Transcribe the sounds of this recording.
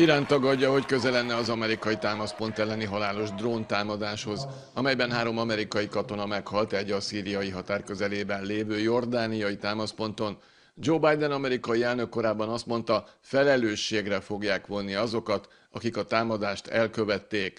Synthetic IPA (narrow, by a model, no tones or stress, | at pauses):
iɾaːnt̪ːɒɡɒɟːɒɦo̞ckø̞zɛlɛnːɛɒzɒmɛɾikɒjit̪aːmɒspo̞nt̪ɛlːɛniɦɒlaːlo̞ʒd̪roːnt̪aːmɒd̪aːʃho̞z | ɒmɛjbɛnɦaːɾo̞mɒmɛɾikɒjikɒt̪o̞nɒmɛkhɒlt̪ɛɟːɒsiːɾijɒjiɦɒt̪aːrkøzɛleːbɛnleːvøːjo̞rd̪aːnijɒjit̪aːmɒspo̞nt̪o̞n | d͡ʒoːbajd̪ɛnɒmɛɾikɒjiɛlnø̞kːo̞ɾaːbːɒnɒst̪mo̞n̪t̪ɒfɛlɛløːʃːeːɡrɛfo̞ɡjaːkʋo̞nːiɒzo̞kɒt̪ | ɒ̰kikɒt̪aːmɒd̪aːʃt̪ɛ̰lkø̞vɛt̪ːeːk